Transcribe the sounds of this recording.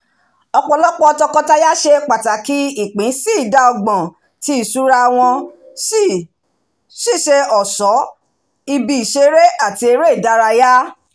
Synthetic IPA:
ɔ˧k͡pɔ˧˨lɔ˦k͡pɔ˧tɔ˧kɔ˧ta˦ja˦ʃe˧k͡pa˨ta˨ki˦i˦˨k͡pĩ˨˦si˦i˦˨da˧ɔ˧ɡ͡bɔ̃˨ | ti˦i˦˨su˨˦ɾa˧w̃ɔ̃˧ | si˦˨ | ʃi˦˨ʃe˧ɔ˨sɔ˨˦ | i˧bi˧i˨ʃe˧ɾe˦ʔa˦˨ti˧e˧ɾe˦i˦˨da˦ɾa˧ja˦

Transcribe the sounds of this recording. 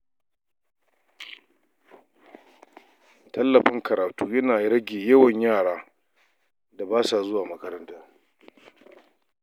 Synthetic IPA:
tɐ˦lːɐ˨ɸɪ˦ŋkʰɐ˨ɾaː˨tuː˦jɐ˦naː˨ɾɐ˦ɡʲeː˨jɐ˦wɐ˨ɲjaː˦˨ɽaː˦ | da˨baː˦sa˨zʊ˦waː˨mɐ˦kɐ˦ɾɐ˦ntaː˦

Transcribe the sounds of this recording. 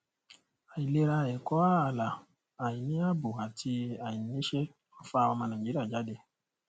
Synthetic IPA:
a˨i˨le˦ɾa˦˨je˨kɔ˦a˦˨la˨ | a˨ji˨nĩ˦a˦bu˨a˨tʰi˧˦a˨i˨ni˦ʃe˦ | fa˦˨wɔ˧mã˨nã˨ɡi˦ɾa˨d͡ʒa˦de˨

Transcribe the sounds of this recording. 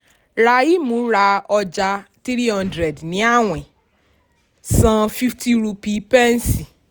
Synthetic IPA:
ɾa˨ji˦mũ˨˦ɾa˧ɔ˧d͡ʒa˧ti˦ɾi˦ɦɔ̃˦ndɾɛ˨dnĩ˨˦a˦w̃ɛ̃˨ | sã˧fi˦ftʰi˦ɾu˧pi˧pɛ˦n˦si˨

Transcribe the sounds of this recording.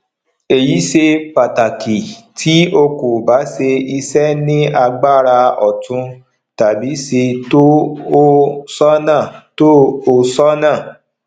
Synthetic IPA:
e˨ji˨˦ʃe˧pa˨ta˨kʰi˨tʰi˨˦o˧ku˨ba˨˦se˧i˧sɛ˦nĩ˦a˧ɡ͡ba˦˨ɾa˧ɔ˨tũ˧ | ta˨bi˨˦se˧to˦o˦sɔ˦nãː˦˨to˦o˦sɔ˦nãː˦˨

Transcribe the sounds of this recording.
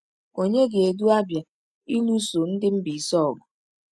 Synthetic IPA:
o˨ɲe˦ɡe˨e˨du˦a˦bja˨ | i˦lu˦so˨n̩˦dɪ˦m̩˦bi˨sɔ˦ɔ˨ɡʊ˨

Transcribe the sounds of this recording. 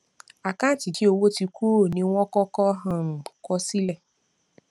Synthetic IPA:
a˨kã˦˨ti˨ki˨˦o˧wo˦ti˧ku˦o˦˨nĩ˧˦w̃ɔ̃˦kɔ˦kɔ˦ɦã˧˨kɔ˦si˦lɛ˦˨

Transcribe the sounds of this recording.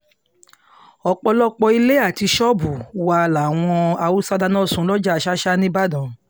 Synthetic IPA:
ɔ˧k͡pɔ˧lɔ˦k͡pɔ˧i˧le˦a˦˨ti˧ʃɔ˦bu˨wa˧la˨w̃ɔ̃˧a˧u˦sa˦da˧nɔ̃˦˨sũ˧˦lɔ˦d͡ʒa˦˧ʃa˦ʃa˦nĩ˦ba˦dɔ̃˨

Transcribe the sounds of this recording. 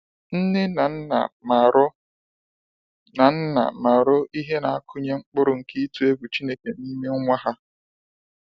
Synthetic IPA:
n̩˦ne˦na˨˦na̰˨m˨ɾ | na˨n̩˦na̰˨ma˨ɾʊ˦ʔi˦ɦe˦na˨a˦kʰʊ˦ɲe˦ŋ͡m̩˦k͡pʊ˦ɾʊ˨ŋ̩˨ki˦tu˦e˦ɡʷu˨t͡ʃi˦ne˦ke˨ni˦me˦ŋʷa˦ɦa˦

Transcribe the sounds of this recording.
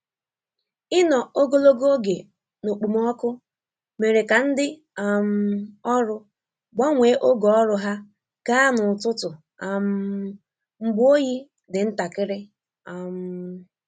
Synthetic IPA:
ɪ˦nɔ˨o˦ɡo˦lo˦ɡo˦ɡe˨ | no˨k͡pu˨m˦ɔ˦kʊ˦ | me˨ɾe˨ka˨n̩˦dɪ˦ | a˨m̩˦ɔ˦ɾʊ˦ | ɡ͡bɔ˦ŋʷe˨˦ʔo˦ɡɔ˨ɔ˦ɾʊ˦ɦa˦ | ɡ̥a˦nʊ˨tʊ˦tʊ˨ | a˨m˦ | ŋ͡m̩˦ɡ͡bo˦ji˦ | dɪ˨n̩˦ta˨kɪ˦ɾɪ˦ | a˨m̩˦

